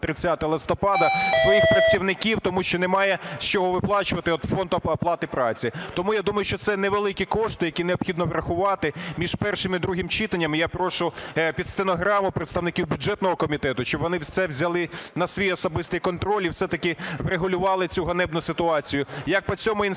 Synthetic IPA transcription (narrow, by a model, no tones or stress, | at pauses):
t̪ɾɪt͡sʲːat̪ɐɐlˠɪst̪ɔpɑd̪ɐsʋɔjixpɾɐt͡sʲːiwnɪkʲiwt̪ɔmuʃt͡ʃɔnɛmɑjɛst͡ʃɔɦɔʋɪplˠɑt͡ʃʊʋɐt̪ɪɔt̪fɔnd̪ʊɐplˠɑt̪ɪpɾɑt͡sʲit̪ɔmujad̪umɐjʊʃt͡ʃɔt̪sɛnɛʋelˠɪkʲikɔʂt̪ɪjɐkʲineɔpxʲid̪nɔʋɾɐxʊʋɑt̪ɪmʲiʒpɛrʃɪmid̪ɾuɦɪmt͡ʃɪt̪ɐnʲːɐmijapɾɔʃʊpʲid̪st̪enɔɦɾɑmʊpɾeɪt̪st̪ɐʋnɪkʲiwbʲʊdd͡ʒɛt̪nɔɦɔkɔmʲit̪ɛt̪ʊʃt͡ʃɪbʋɔnɪwsɛwzʲɐlˠɪnɐsʋʲijɔsɔbɪst̪ɪjkɔnt̪ɾɔlʲiwsɛt̪ɐkɪʋreɦʊlʲʊʋɑlˠɪt͡sʲuɦɐnɛbnʊsɪt̪ʊɑt͡sʲijʊjɐk̚pɔt͡sʲɔmʊin